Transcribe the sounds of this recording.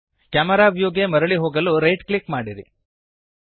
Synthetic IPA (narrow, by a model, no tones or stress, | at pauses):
kjaːmɐɾaːbʱjoːɡemɐɾɐɭiɦoːɡɐluɾɐjʈkɭikmaːɽiɾḭ